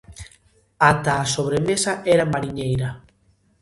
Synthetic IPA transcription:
at̪aːsoβ̞ɾemesaʔɛɾamaɾiɲejɾɐ

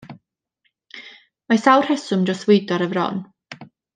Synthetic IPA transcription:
masawr̥hɛsʊmd͡ʒɔstwejdɔɾəvrɔ̰n

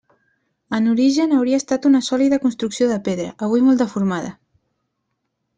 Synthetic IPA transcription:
ənuɾiʒənəwɾiəːst̪at̪unəsɔliðəkunst̪ɾuksioðəpeðɾə̰ʔəβ̞ujmolˠt̪əfuɾmaðə̰

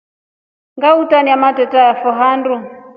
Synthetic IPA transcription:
ŋɡautaniamatɛtajafɔɦandu

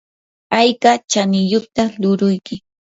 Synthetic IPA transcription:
ajkat͡ʃanɪjʊχt̪alʊɾʊjkɪ

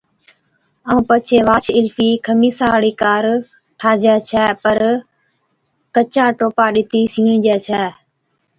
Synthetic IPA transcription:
əũːpət͡ʃʰeːʋaːt͡ʃʰɪlfʰiːkʰəmiːsaːɽiːkaːɾ | ʈʰaːd͡ʒɛːt͡ʃʰɛːpəɾ | kət͡ʃãːʈoːpaːɗɪt̪ʰiːsiːɳd͡ʒɛːt͡ʃʰɛː

